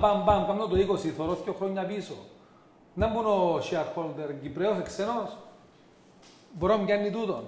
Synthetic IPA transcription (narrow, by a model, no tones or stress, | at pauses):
bambamband̪ot̪oikosiθoɾoθicoxɾoɲːɐpiso̰ | nɐmbunoʃiaɾxold̪eɾɲɟipɾeoseksenos | boɾomɟɐnːit̪ut̪on